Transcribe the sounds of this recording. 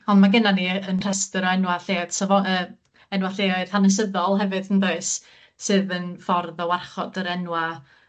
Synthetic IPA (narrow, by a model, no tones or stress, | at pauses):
ɔnmaɡənaniənr̥ɛstəɾɔɛnwaɬeːd̥sɔvɔəː | ɛnwaɬeːɔɨr̥hanəs̬əðɔlˠɦɛvɨðənðoɨs | sɨːðənfɔrðɔwarχɔdəɾɛnwa